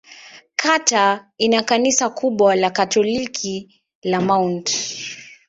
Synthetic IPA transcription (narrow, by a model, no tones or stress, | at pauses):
kʰatainakanisakuɓwalakatɔlikʰi | lamawnt